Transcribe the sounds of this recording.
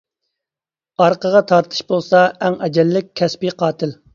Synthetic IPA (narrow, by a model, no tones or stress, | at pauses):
ɑɾqəʁɑt̪ʰɑɾt̪ʰɨ̥ʃbolˠsɑɛŋɛd͡ʒɛlːɪk̚ʲʰːɛspiqʰɑːt̪ʰɪl